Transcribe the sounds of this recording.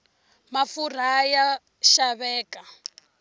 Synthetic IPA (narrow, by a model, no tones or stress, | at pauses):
mafur̤aja | ʃaβɛːka